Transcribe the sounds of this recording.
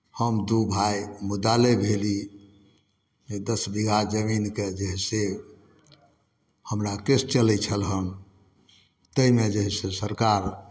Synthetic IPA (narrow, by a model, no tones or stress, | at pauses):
həmd̪ubʱajmud̪alebʱeli | ed̪əsbiɡʱad͡ʒəminked͡ʒeɦse | həmɾakest͡ʃəlɛt͡ʃʰəlɦəm | t̪əimed͡ʒeɦsesəɾkaɾ